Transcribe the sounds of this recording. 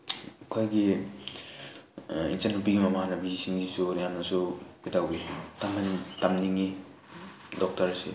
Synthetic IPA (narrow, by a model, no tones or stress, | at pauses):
kʰɔjɡi | ḭnsanupiɡimamanabizisiŋɡisuɾjamnasubidawbitamantamniŋi | dɔk̚taɾsḛ